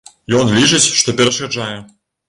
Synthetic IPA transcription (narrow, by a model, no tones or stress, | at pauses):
jɔnlʲit͡ʂɨt͡sʲʂt̪ɔpʲɛɾɐʂkad͡ʐajɛ